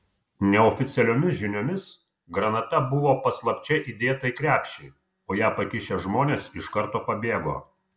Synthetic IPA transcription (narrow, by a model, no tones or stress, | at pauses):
nʲɛɔfʲɪt̪sʲɛlʲoːmʲɪsʒʲɪnʲoːmʲɪs | ɡɾɐnɐt̪ɐbʊʋoːpɐslˠɐpʲt͡ʃʲɛʔiːd̪ʲeːt̪ɐɪkɾʲæːpʲʃʲɛɪ | oːjæːpɐkʲɪʃʲeʒmoːnʲeːsɪʃkɐɾt̪oːpɐbʲeːɡo̰ː